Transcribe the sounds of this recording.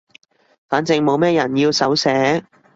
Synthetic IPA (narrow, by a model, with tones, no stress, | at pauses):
faː˨˥nt͡sɪ˧ŋmo˨˧wmɛː˥jɐ˨˩njiː˧wsɐ˨˥wsɛː˨˥